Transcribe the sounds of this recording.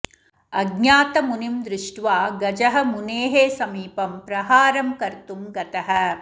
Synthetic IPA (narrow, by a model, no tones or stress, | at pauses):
ɐɡɲaːt̪ɐmunimd̪ɾɪʂʈʋaːɡɐd͡ʒɐɦɐ̆muneːɦeːsɐmiːpɐmpɾɐɦaːɾɐmkɐɾt̪umɡɐt̪ɐɦɐ̆